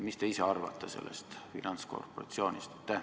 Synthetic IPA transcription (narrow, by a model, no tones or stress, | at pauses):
mist̪e̞iseɑrvɑ̰t̪ːˑese̞̰lːḛst̪fḭnʔɑnt̪sko̞̰rpoɾɑ̰t̪sio̞ːnʲʔist̪t̪ːe